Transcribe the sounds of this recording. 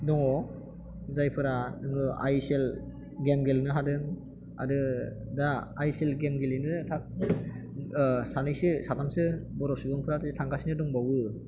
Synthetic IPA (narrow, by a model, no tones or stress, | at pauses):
dɔŋɔ | zajpʰɯɾanɯŋɯa̰jsel | ɡemɡelnɯɦadɯŋ | a̰dɯdaːjselɡemɡelinɯtʰak̚ | sanɯjsɯsatʰamsɯbɔɾɔsuɡɯŋpʰɯɾatɯtʰaŋɡasinɯdɔŋbawɯ